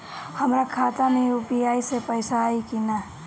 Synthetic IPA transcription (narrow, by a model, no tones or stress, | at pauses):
həmɾakʰat̪ameupijaːisepəɪsaːikina